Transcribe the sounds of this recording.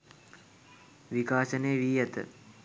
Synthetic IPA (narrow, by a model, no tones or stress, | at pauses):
ʋikaːsəneːʋiːjat̪ə̰